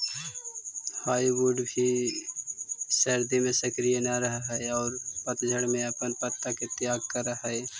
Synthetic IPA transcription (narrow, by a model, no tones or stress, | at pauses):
haːiwuɖbʱi | səɾd̪imẽsəkɾijenaɾəɦaɦɛɔːɾpət̪d͡ʒʱəɽmẽəpənpət̪ːaket̪jaːɡ̚kəɾaɦaɛː